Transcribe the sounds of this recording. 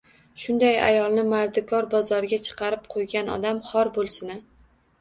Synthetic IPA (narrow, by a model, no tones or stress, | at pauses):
ʃʊnd̪aja̰jɒlˠnɪmaɾd̪ɪkʰɒɾbɒzɒɾɪɡʲat͡ʃʰɨ̥qʰɑɾɪp̚qʰojɡʲanɒ̰d̪amχɒɾbolˠsɪnɪ